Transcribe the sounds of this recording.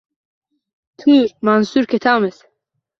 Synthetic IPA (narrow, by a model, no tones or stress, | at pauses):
t̪ʰuɾmaːnsuɾkʰet̪ʰaːmɛs